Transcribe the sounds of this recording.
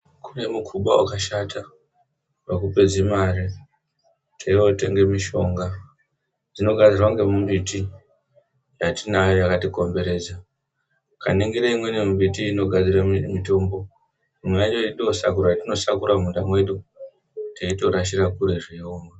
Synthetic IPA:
kune̞mukʰuɓa̰wa̰kaʃatʰa | pakupe̞d͡zimare | tʰeiote̞ŋɡe̞miʃo̞ŋɡa | d͡zino̞ɡʱad͡zirwaŋɡe̞mumɓiti | jatinajojakatiko̞mbe̞ɾe̞ːd͡za | ka̰niŋɡiɾeimwe̞nemuɓitiːno̞ɡʱad͡ziramito̞ːmbo̞ | mujad͡ʒoiɗiosa̰kuɾaatino̞sakuɾam̤undamwe̞ɗu | teito̞ɾaʃirakuɾe̞ʐioːma

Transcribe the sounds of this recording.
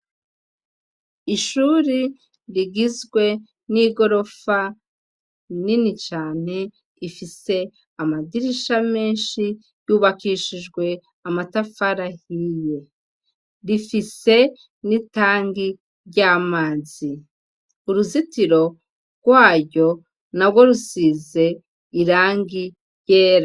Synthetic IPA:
iʃuːɾi | ɾiɡizɡwe̞ | niɡo̞ɾo̞fa | ninit͡ʃaːn̥e̞ | ifise̞ | amadiɾiʃame̞ːnʃi | juːβakiːʃiʒɡwe̞ | amatafaɾahije̞ | ɾifise̞ | nitaːŋɡi | ɾɟaːmaːzi | uɾuzitiɾo̞ | ɡ̥waːɟo̞ | nabɡwo̞ɾusiːze̞ | iɾaːŋɡi | je̞ːɾa

